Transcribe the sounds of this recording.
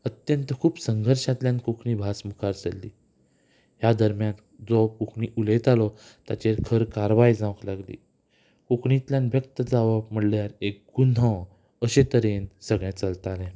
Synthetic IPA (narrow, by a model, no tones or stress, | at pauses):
ət̪jənt̪əkʰuːpsəŋɡʱəɾɕat̪ljãnkukʰɳibʱasmukʰaɾt͡səlːḭː | ɦjad̪əɾmjãnd͡zɔkukʰɳiʔulet̪alɔt̪jat͡ɕeɾkʰəɾkaɾʋajd͡zãʋklaɡlḭː | kukʰɳit̪ljãnʋjək̚t̪əd͡zaʋəm̤əɽljaɾek̚ɡun̤ɔ̃ | əɕet̪əɾensəɡɭɛ̃t͡səlt̪alẽ